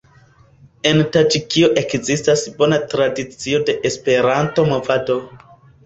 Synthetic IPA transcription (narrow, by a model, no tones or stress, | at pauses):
e̞ntad͡ʒikio̞ʔe̞kzistasbo̞natɾadit͡sio̞de̞ʔespe̞ɾanto̞mo̞vado̞